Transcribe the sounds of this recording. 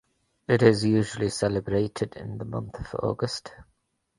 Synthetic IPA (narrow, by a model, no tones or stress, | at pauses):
ɪtɪzjʉːʒəlisɛlɪbɹeɪtʰɪdɪ̰̃nðəmʌ̰̃nθəv̥ɔ̰ːɡəst